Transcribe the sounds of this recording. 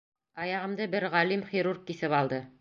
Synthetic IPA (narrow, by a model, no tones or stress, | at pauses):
ɑjɑʁɤ̆md̪ɤbɘɾʁɑlimχiɾurq̚kːiθɘpɑlˠd̪ɤ